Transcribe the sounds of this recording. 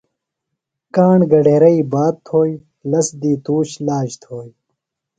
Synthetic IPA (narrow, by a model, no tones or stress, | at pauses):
kaːɳɡɐɖeːɾɐiːbaːt̪̚t̪ʰoːji | lɐsd̪iːt̪uːɕlaːd͡ʑt̪ʰoːj